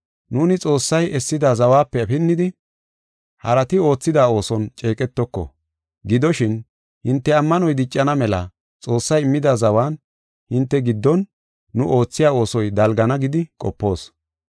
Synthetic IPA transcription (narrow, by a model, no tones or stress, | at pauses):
nuːnɪt͡sʼo̞ːsːɐjɛsːɪd̪azɐwaːpːɛɐfɪnːɪd̪ɪ | hɐɾɐt̪ɪo̞ːt͡sːɪd̪aːo̞ːsɔnt͡ʃʼe̞ːkʼɛt̪ːɔkːɔ̰ | ɡɪd̪ɔʃɪn | hɪnt̪ːɛɐmːɐnɔjd̪ɪt͡ʃʼːɐnɐmɛlɐ̰ | t͡sʼo̞ːsːɐjɪmːɪd̪azɐwaːn | hɪnt̪ːɛɡɪd̪ːɔnː | ʊʔo̞ːt͡sːɪjaːo̞ːsɔjd̪ɐlɡɐnɐɡɪd̪ɪkʼɔpːo̞ːs